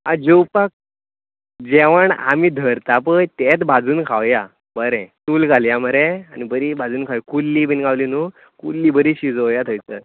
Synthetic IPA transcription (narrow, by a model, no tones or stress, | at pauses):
ad͡ʑewpak̚ | d͡ʑeʋəɳa̰mid̪ʱəɾt̪apəjt̪et̪bʱad͡zuːnkʰawja | bəɾɛ̃t̪uːlɡaljaməɾeanibəɾibʱad͡zuːnkʰawjkulːiːbinɡawlinu | kṵlːiːbəɾiɕid͡zoʋjat̪ʰojt͡sə